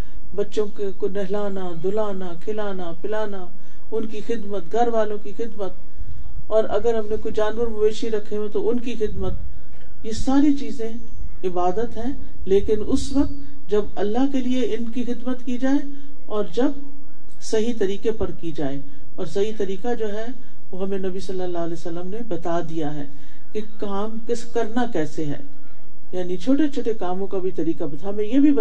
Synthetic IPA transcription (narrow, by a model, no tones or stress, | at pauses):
bɐtːʃõkekonɛɦlaːnad̪ʊlaːnakʰɪlaːnapɪlaːna | ʊnkixɪd̪mət̪̚ɡʱɐɾʋaːlõkixɪd̪mət̪̚ | ɔːɾɐɡəɾɦɐmnẽkoid͡ʒaːnʋəɾmʊbeːʃiɾɐkʰːeẽt̪oʊnkixɪd̪mət̪̚ | jesaːɾit͡ʃiːzẽ | ɪbaːd̪ət̪ɦɛ̃ː | leːkɪnʊsʋɐk̚t̪ | d͡ʒɐbɐlːaɦkelieɪnkixɪd̪mət̪kid͡ʒaːe | ɔːɾd͡ʒɐb̚ | sɐɦit̪ɐɾiːkepɐɾkid͡ʒaːe | ɔːɾsɐɦit̪ɐɾiːkad͡ʒoːɦɛ | ʋoɦɐmẽnɐbisɐlːəlːaːlɛːsɐlːəmnebɐt̪ad̪ijaɦɛː | kekaːmkɪskɐɾnakɛːseɦɛ̰̃ː | jaːnit͡ʃʰoːʈet͡ʃʰoːʈekaːmõkabʱit̪ɐɾiːkabɐt̪ʰaːmẽjebʱib